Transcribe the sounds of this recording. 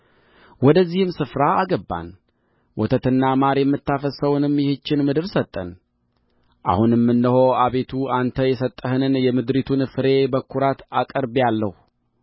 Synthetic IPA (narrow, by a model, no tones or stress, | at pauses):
wɔd̪əzːihɨmsɨfɾaaɡəbːa̰n | wʔɔt̪ʰət̪ɨnːamaɾjɛmːɨt̪ːafəsəwnɨmːjɛhɨt͡ʃːɪnmɨd̪ɨɾsət̪ʼːə̰n | ʔa̰hunɛmːɨnːɨhoaβe̞t̪ʰuant̪ʰəjɛsət̪ʼːəhɨnɨnjɛmɨd̪ɾit̪ʰunfɨɾe̞bəkʰːuɾat̪akʼəɾbjalːəhu